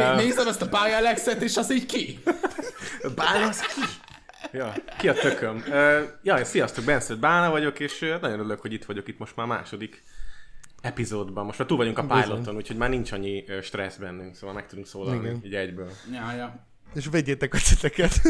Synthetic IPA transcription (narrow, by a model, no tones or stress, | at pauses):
eːzɛmɛst̪ɒpaːjɛlɛksɛt̪eːʃɒziːɟki | baːnɒskʰi | jɒːkiɒt̪økømøːjɒːeːnsijɒst̪oɡ̚bɛnsød̪̚baːnɒvɒɟo̞keːʃønɒɟjonøløkhoɟit̪ʋɒɟokit̪mo̞ʃt̪maːma̰ːʃo̞d̪ik | ɛpizoːd̪bɒmmoʃtmaːrt̪uːlvɒɟuŋkɒpaːjlot̪o̞nuːcʰho̞ɟmaːrnint͡ʃɒɲːiʃt̪rɛzbɛnːyŋksoːvɒlmɛkt̪ud̪uŋksoːlɒlniiɟɛɟbøːljajɔ | eːʃveːɟːeːt̪ɛkɒsit̪ɛkɛt̪